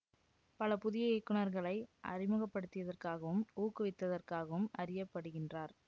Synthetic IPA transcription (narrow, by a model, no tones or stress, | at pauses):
pɐlɐpʊðɪjɐɛkːɯɳɐɾɣɐɭɐɪʔɐ̰rɪmɯɣɐpːɐɽɯt̪ːɪʋɐðɐrkaːɣɐʋɯmuːkːɯʋɪt̪ːɐðɐrkaːɣɐʋɯmɐrɪjɐpːɐɽɯɣɪndraːɾ